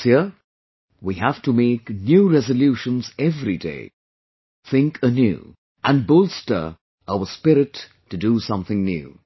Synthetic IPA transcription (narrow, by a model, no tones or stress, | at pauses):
si | wihæftumeːknjuɾɛzəljuʃə̃nzɛvɾidḛɪ | θʰɪ̃ŋkʰənjṵː | ʔɨ̃n̚bʊlstə̰˞ | aʊəspɪɾɪtː | ɨdusʌ̃mθɪ̃ŋnjʉ̰ː